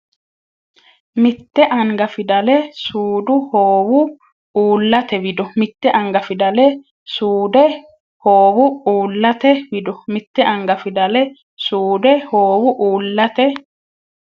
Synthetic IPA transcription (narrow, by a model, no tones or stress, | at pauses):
mɪt̪ːɛʔɐŋɡɐfɪd̪ɐlɛsuːd̪ʊhoːwʊ | uːlːɐt̪ɛwɪd̪ɔmɪt̪ːɛʔɐŋɡɐfɪd̪ɐlɛ | suːd̪ɛ | hoːwʊuːlːɐt̪ɛwɪd̪ɔmɪt̪ːɛʔɐŋɡɐfɪd̪ɐlɛ | suːd̪ɛhoːwʊʔuːlːɐt̪ɛ